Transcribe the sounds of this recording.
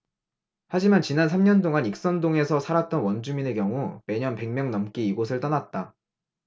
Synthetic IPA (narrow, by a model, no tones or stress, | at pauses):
had͡ʑimant͡ɕinansʰamɲʌntoŋanik̚s͈ʌndoŋe̞sʰʌsʰaɾat̚t͈ʌnwʌnd͡ʑumine̞kjʌŋume̞ɲʌnpe̞ŋmjʌŋnʌmk͈iːɡosʰɯɭt͈ʌnat̚t͈a